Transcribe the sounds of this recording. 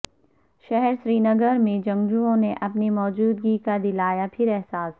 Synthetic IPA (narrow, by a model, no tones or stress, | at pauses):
ʃɛɦɛɾʃɾiːnɐɡəɾmẽd͡ʒɐ̃ŋɡd͡ʒuõneʔɐpnimɔːd͡ʒuːd̪ɡikad̪ɪlaːjapʰɪɾɛɦsaːs